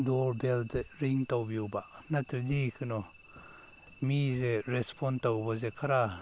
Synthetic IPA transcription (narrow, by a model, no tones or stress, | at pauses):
dɔɾbeldeɾiŋtawbjowba | natʰɯɾdikʰɯnɔ | mizeɾespʰɔntawbɔzekʰaɾa